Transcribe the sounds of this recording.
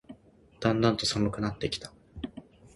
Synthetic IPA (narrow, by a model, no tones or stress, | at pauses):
d̪̥ãnd̪ãnt̪o̞samɯ̟kɯ̟nat̪ːe̞kʲi̥t̪ḁ